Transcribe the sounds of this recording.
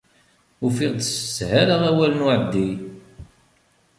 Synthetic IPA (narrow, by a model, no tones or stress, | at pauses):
ufiʁd̪sə̥shaɾaʁæwælənʊʕəd̪ːi